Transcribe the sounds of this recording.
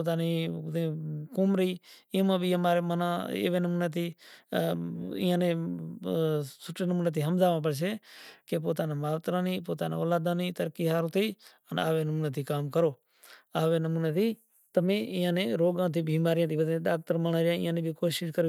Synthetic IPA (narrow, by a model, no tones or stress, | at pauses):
poːt̪aːniːt̪ẽːkʊmɾĩːmãːɓʱiːəmaːɾeːmənãːḛːʋeːnəmuːneːt̪iː | ɪ̰ːjãːnẽː | sʊʈeːnəmuːneːt̪iːɦəmzaːʋãːp̬əɽt͡ʃ̬ʰeːkeːp̬oːt̪aːnẽːmaːʋt̪ɾãːniːpoːt̪aːnḛ̃ːoːlaːd̪ãːnĩːt̪əɾkiːɦaːɾ̃ːt̪iː | əna̰ːʋeːnəmuːneːt̪iːkaːmkəɾoː | aːʋeːnəmuːneːt̪iː | t̪əmẽːɪːãːnẽːɾoːɡãːt̪iːbiːmaːɾɪjãːt̪ʰiːbət̪ẽɗaːk̚t̪əɾmənaːɾjãːɪ̰ːãːnẽːbʱiːkoːʃɪʃkəɾ